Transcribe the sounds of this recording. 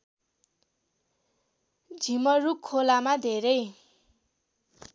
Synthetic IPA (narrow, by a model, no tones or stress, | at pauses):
d͡zʱimʌrukʰːolamad̪ʱeɾʌj